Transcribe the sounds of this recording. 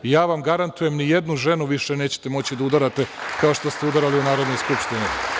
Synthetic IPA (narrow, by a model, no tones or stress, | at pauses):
jaːʋamɡaɾant̪ujemnije̞d̪nuʒe̞nuʋiʃeneːt͡ɕe̥t̪e̞mo̞t͡ɕid̪aud̪aɾat̪e̞kao̞ʃt̪o̞st̪eud̪aɾaliunaːɾod̪no̞jskupʃt̪ini